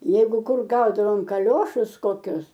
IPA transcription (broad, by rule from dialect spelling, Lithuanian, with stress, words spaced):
ˈjɛɪɡʊ ˈkʊr ˈɡɐʊdɐʋoːm kɐˈlʲoːʃʊs koːˈkʲʊs